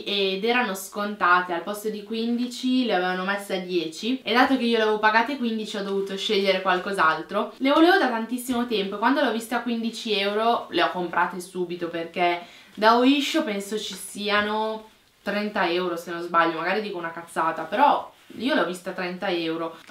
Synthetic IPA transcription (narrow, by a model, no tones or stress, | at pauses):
ed̪ɛːɾanoskont̪aːt̪ealpɔst̪od̪ikwind̪it͡ʃileaveːvanomesːead̪jɛːt͡ʃied̪ːaːt̪okeiːolaevopaɡaːt̪ekwind̪it͡ʃiɔd̪ovuːt̪oʃeʎːeɾekwalkozalt̪ɾolevoleːvod̪at̪ant̪isːimot̪ɛmpoekwand̪oleɔvist̪oakːwind̪it͡ʃiɛwɾoleɔkːompɾʔaːt̪esuːbit̪operk̟e | d̪aoiʃːopɛnsot͡ʃisiːano | t̪ɾɛnt̪aɛwɾosenozbaʎːomaɡaːɾid̪iːkounakat̪sːaːt̪apeɾɔ | iːoleɔvist̪at̪ɾɛnt̪aɛwɾo